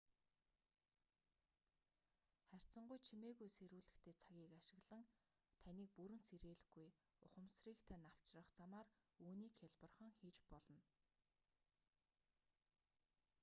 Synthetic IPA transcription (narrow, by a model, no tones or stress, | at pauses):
χær̥ʲt͡sə̆ɴɢujt͡ɕʰimeːɣujseɾuːɮɘ̆kt̪ʰeːt͡sʰaɣʲiːkaʃɪ̆ɣɮə̆ŋ | t̪ʰæniːk̚puɾɘ̆nseɾeːɮɘ̆ɣuj | ʊχə̆msriːkt̪ʰænaw̥t͡ɕrə̆χt͡samaːruːniːkxʰaɮpə̆rχə̆ŋxiːt͡ɕpɔɮɞ̆n